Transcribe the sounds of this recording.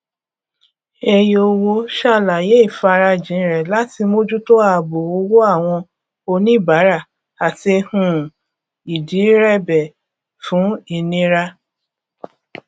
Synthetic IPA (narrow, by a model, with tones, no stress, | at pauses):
e˧jo˧wo˧ʃa˦˨la˨je˨˦i˦˨fa˧ɾa˧d͡ʒĩ˨˦ɾɛ˨la˦ti˧mo˦d͡ʒu˦to˦a˦˧˨bo˨o˧˦wo˦a˦˨w̃ɔ̃˧ | o˧nĩ˦˨ba˨˦ɾa˦˨ | a˨tie˧hũ˦˨ | i˨di˨˦ɾɛ˦˨bɛ˨ | fũ˨˦i˧nĩ˦ɾa˦